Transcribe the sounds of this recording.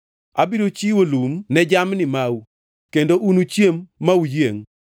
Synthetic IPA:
abiɾot͡ʃiwolumnɛd͡ʒamnɪmawu | kendoʔunut͡ʃjemːaujeŋ

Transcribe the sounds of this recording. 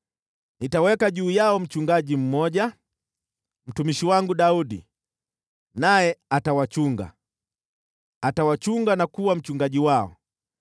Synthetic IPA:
nitawɛkaʄuːjaɔm̩t͡ʃuŋɡaʄim̩mɔɟa | m̩tumiʃiwaŋɡuɗaudḭ | najɛatawat͡ʃuŋɡa̰ | tawat͡ʃuŋɡanakuwam̩t͡ʃuŋɡaʄiwaɔ̰

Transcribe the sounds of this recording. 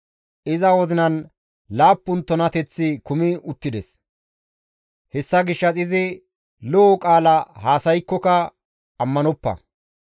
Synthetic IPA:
ʔɪzɐwɔzɪnɐn | laːpːʊnt̪ːɔnɐt̪ɛt͡sːɪkʊmɪʊt̪ːɪd̪ɛs | hɛsːɐɡɪʃːɐt͡sʼɪzɪ | lɔɔkʼaːlɐhaːsɐjkːɔkɐ | ɐmːɐnɔpːɐ̰

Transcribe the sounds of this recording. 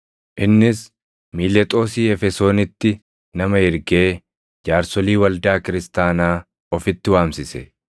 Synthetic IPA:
ʔɪnːɪs | miːlɛt̪ʼo̞ːsiːɛfɛso̞ːnɪt̪ːɪ | nɐmɐɪɾɡeː | d͡ʒaːɾsɔliːwɐld̪aːkɪɾɪst̪aːnaː | ɔfɪt̪ːɪwaːmsɪsɛ

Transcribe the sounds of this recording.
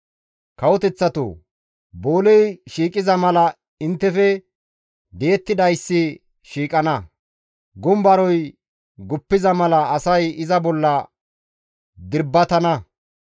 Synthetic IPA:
kɐwɔt̪ɛt͡sːɐt̪o̰ | bo̞ːlɛjʃiːkʼɪzɐmɐlɐ | ɪnt̪ːɛfɛ | d̪eːt̪ːɪd̪ɐjsːɪ | ʃiːkʼɐnɐ | ɡʊmbɐɾɔj | ɡʊpːɪzɐmɐlɐːsɐjɪzɐbɔlːɐ | d̪ɪɾbːɐt̪ɐnɐ

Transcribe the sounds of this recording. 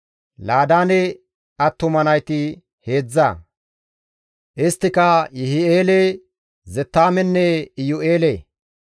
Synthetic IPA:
laːd̪aːnɛ | ɐt̪ːʊmɐnɐjt̪ɪ | he̞ːd͡zːa̰ | ʔɪst̪ːɪkɐjɛhɪeːle | zɛt̪ːaːmɛnːɛɪjʊʔe̞ːle

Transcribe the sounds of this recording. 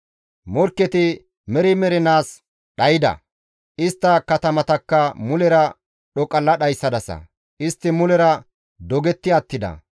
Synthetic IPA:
mɔɾkːɛt̪ɪ | mɛɾɪmɛɾɛnaːs | ɗɐjɪd̪ɐ̰ | ʔɪst̪ːɐkɐt̪ɐmɐt̪ɐkːɐmʊlɛɾɐ | ɗɔkʼɐlːɐɗɐjsːɐd̪ɐsɐ̰ | ʔɪst̪ːɪmʊlɛɾɐ | d̪ɔɡɛt̪ːɪɐt̪ːɪd̪ɐ̰

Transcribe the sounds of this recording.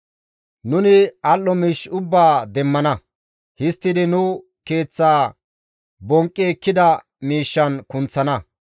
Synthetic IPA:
nʊnɪɐlːɔmiːʃʊbːaːd̪ɛmːɐnɐ | hɪst̪ːɪd̪ɪnʊ | ke̞ːt͡sːaː | bɔŋkʼːekːɪd̪ɐ | miːʃːɐnkʊnt͡sːɐnɐ

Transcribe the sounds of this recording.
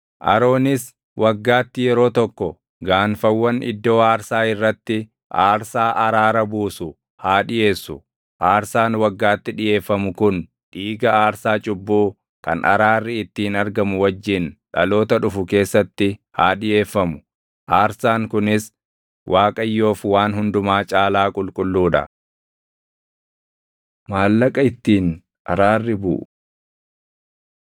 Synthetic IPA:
ʔɐ̰ɾo̞ːnɪs | wʔɐɡːaːt̪ːɪjɛɾo̞ːt̪ɔkːɔ | ɡaːnfɐwːɐnɪ̰d̪ːo̞ːaːɾsaːɪrːɐt̪ːɪ | ʔaːɾsaːʔɐɾaːɾɐbuːsʊ | haːᶑɪje̞ːsːʊ | ʔaːɾsaːnwɐɡːaːt̪ːɪᶑɪje̞ːfːɐmʊkʊn | ᶑiːɡɐaːɾsaːt͡ʃʼʊbːuː | kɐ̰nʔɐ̰ɾaːrːɪɪt̪ːiːnɐɾɡɐmʊwɐd͡ʒːɪnᶑɐlo̞ːt̪ɐᶑʊfʊke̞ːsːɐt̪ːɪhaːᶑɪje̞ːfːɐmʊ̥ | ʔaːɾsaːŋkʊnɪs | wʔaːkʼɐjːo̞ːfwaːnɦʊnd̪ʊmaːt͡ʃʼaːlaːkʼʊlkʼʊlːuːᶑɐ̰ | maːlːɐkʼɐɪt̪ːiːn | ʔɐ̰ɾaːrːɪbʊ̰ʔʊ

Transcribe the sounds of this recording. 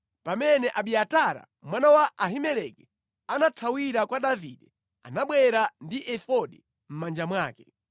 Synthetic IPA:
pamɛnɛʔaɓiataɾa̰ | mwanawaʔːɦimɛlɛkɛ | anatʰawiɾakwaɗaviɗɛ | anaɓwɛɾandiʔɛfɔɗɛ | m̩mand͡ʒamwaːkɛ

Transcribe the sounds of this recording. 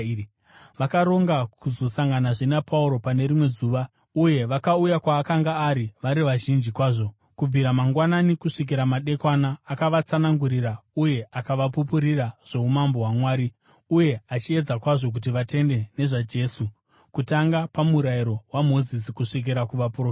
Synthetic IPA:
ʋakaɾo̞ŋɡakuzo̞saŋɡanaʐenapʰauɾo̞pane̞ɾimwe̞zuːʋa | uje̞ʋakaujakwaːkaŋɡaːɾiʋaɾiʋaʒind͡ʒikwaːʐo̞ | kub͡viɾamaŋɡwananikuʂik̬iɾamaɗe̞kwanaːkaʋat͡sanaŋɡuɾirauje̞ʔakaʋapupuɾiraʐ̥e̞umamboɦwamwaːɾi | uje̞at͡ʃie̞d͡zakwaʐo̞k̬ut̬iʋate̞nde̞ne̞ʐad͡ʒe̞su | kutaŋɡapamuɾaiɾo̞wamo̞zisikuʂik̬iɾakuʋapro

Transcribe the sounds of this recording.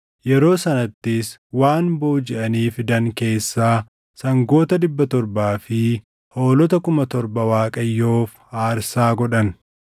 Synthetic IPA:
jɛɾo̞ːsɐnɐt̪ːɪswaːnboːd͡ʒɛʔɐniːfd̪ɐŋke̞ːsːaː | sɐŋɡo̞ːt̪ɐd̪ɪbːɐt̪ɔɾbaːfɪ | ho̞ːlɔt̪ɐkʊmɐt̪ɔɾbɐwaːkʼɐjːo̞ːfhaːɾsaːɡɔᶑɐn

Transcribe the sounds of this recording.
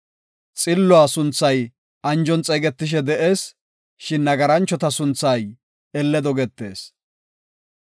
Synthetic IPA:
t͡sʼɪlːɔaːsʊnt͡sːɐj | ɐnd͡ʒɔnt͡sʼejɡɛt̪ːɪʃ̬ɛd̪ɛʔe̞ːs | ʃɪnːɐɡɐɾɐnt͡ʃːɔt̪ɐsʊnt͡sːɐj | ɛlːɛd̪ɔɡɛt̪ːe̞ːs

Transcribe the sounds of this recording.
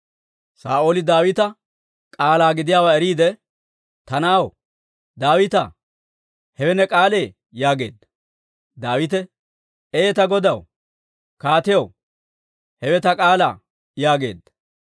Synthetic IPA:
saːʔo̞ːlɪd̪aːwɪt̪ɐ | kʼaːlaːɡɪd̪ɪjaːwaːɛɾiːd̪ɛ | t̪ɐnaːw | d̪aːwɪt̪ɐ | hɛwɛnɛkʼaːle̞ː | jaːɡe̞̰ːd̪ːɐ̥ | d̪aːwɪt̪ɛ | eːt̪ɐɡɔd̪ɐw | kaːt̪ɪjɐw | hɛwɛt̪ɐkʼaːla̰ː | jaːɡe̞̰ːd̪ːɐ̥

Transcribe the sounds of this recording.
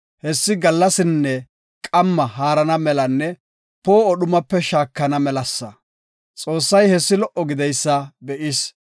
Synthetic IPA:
hɛsːɪɡɐlːɐsɪnːɛ | kʼɐmːɐhaːɾɐnɐmɛlɐnːɛ | po̞ːɔɗʊmɐpːɛʃaːkːɐnɐmɛlɐsːɐ | t͡sʼo̞ːsːɐjhɛsːɪlɔʔɔɡɪd̪ɛjsːɐbɛʔɪs

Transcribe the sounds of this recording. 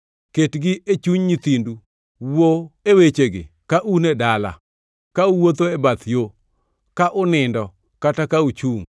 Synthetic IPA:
ketɡɪʔet͡ʃuɲɲit̪indu | woewet͡ʃeɡɪ̰ | kaʔunedala̰ | kauwot̪oebat̪jo | kaʔʊnɪndɔ | katakaut͡ʃuŋ

